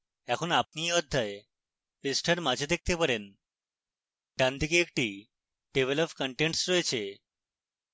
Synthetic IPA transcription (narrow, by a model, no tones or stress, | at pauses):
ɛkʰonap̚niɔd̪ʱːae | esʈʰəɾmad͡ʑʱed̪ek̚t̪epəɾen | ʈ̪jand̪ʱik̬eːk̚ʈi | ɖeʋelɔpkəɳʈeɳʈsɾɔet͡ɕʰe